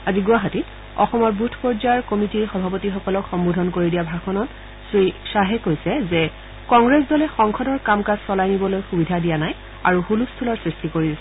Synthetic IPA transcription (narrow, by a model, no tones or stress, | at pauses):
aziɡʊaɦatit | ɔ̰xɔmɔɹbutʰpɔɹzaɹkomitiɹxɔbʱapotixɔkɔlɔkxɔmbodʱɔnkoɹidijabʱakʰɔnɔt | zojsaɦɛkojsɛzɛ | kɔŋɡɹesdɔlɛxɔŋkʰɔdɔɹkamkazsɔlajnibɔlojxubidʱadijanaj | a̰ɹuxulustʰulɔɹsɹistikoɹidɛsɛ